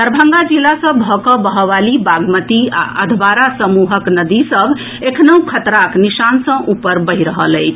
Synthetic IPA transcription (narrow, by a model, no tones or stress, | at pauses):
d̪əɾbʱə̃ŋɡad͡ʒilasə̃bʱɔkəbəɦʋalibaɡmət̪ia̰ʔəd̪ʱbaɾasəmuɦəknəd̪isəbʱ | ekʰnəũkʰət̪ɾaknisansə̃ʔupəɾbəɦiɾəɦələɪt͡ʃʰ